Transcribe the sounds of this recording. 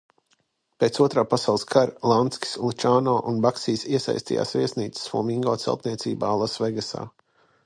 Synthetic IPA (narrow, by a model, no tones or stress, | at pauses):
peːt̪suɔt̪ɾaːpasawlˠɨskʰaɾlˠant̪skʲi̥slˠut͡ʃaːnɔːʔunbaksiːsiɛsa̰jst̪ḭja̰ːsviɛsniːt̪ssvṵːmiŋɡɔːt̪sɛ̰lˠt̪nʲiɛt̪sḭːbaːlˠasvɛɡasa̰ː